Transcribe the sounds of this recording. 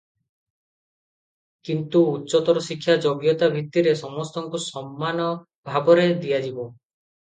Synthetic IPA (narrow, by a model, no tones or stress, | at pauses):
kint̪uːtːʃɔt̪ɔɾɔsikʰːjad͡ʒoɡjɔt̪abʱit̪ːiɾesɔmɔst̪ɔŋkusɔmːanɔ | bʱabɔɾed̪ijad͡ʒibɔ